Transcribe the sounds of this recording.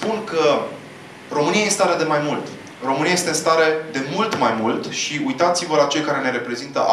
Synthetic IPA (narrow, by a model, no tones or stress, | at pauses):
punkə | ro̞mɨniajest̪aɾed̪e̞majmult̪ | ro̞mɨniajest̪enst̪aɾe̞d̪e̞mult̪majmult̪ʃiujt̪at̪sivəlat͡ʃe̞ljkaɾe̞ne̞ɾe̞pɾe̞zint̪əʔ